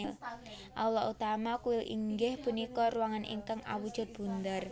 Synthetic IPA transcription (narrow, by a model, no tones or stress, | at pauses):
l | ʔalɔʔut̪amakuwɪlḭŋɡɪhpunikɔruwaŋanḭŋkaŋʔa̰wud̥ʒ̥a̤t̪̚b̥ṳnd̪ər